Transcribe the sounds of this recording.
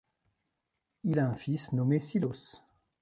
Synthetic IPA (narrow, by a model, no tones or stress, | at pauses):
ilaɛ̃fisnɔmesilos